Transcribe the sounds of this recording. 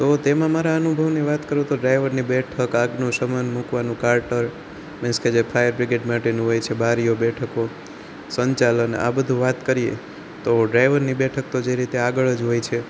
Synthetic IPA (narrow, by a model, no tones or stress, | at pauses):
t̪ot̪emãmaɾaənubʱəʋniʋat̪kəɾũt̪oɖɾajʋəɾnibɛʈʰəkaɡnũsəmənmukʋanũkaɾʈəɾ | mẽsked͡ʒepʰajəɾbɾɪɡeɖmaʈenũɦojt͡ʃʰebaɾijobɛʈʰəko | səɲt͡ʃaləna̰bəd̪ʱũʋat̪kəɾijḛ | t̪oɖɾajʋəɾnibɛʈʰək̚t̪od͡ʒeɾit̪eaɡəɭəd͡ʒɦojt͡ʃʰe